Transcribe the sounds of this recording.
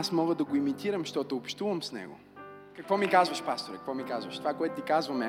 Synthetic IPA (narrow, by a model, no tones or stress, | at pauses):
smɔɡəd̪ɐɡoimit̪iɾɐmʃt̪ɔt̪oopʃt̪uvɐmsnɛ̰ɡʊ̰ | kəkvɔmikazvɐʃpast̪oɾɐkəkvɔmikazvɐʃt̪ovakoɛt̪ʊt̪ikazvɐmɛ